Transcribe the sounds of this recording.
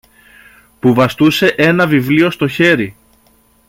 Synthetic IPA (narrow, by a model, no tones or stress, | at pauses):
puvɐst̪use̞ʔe̞nɐvivlio̞st̪o̞çe̞ɾi